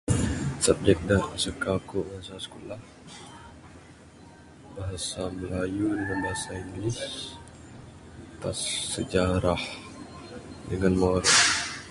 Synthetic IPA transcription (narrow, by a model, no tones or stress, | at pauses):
sap̚d͡ʒɛk̚daʔsəkakoʔmaɦsaskulah | baɦasaməlajudəŋanbaɦasaiŋɡlis | t̪a̰sːəd͡ʒaɾah | dəŋanmaɾɛt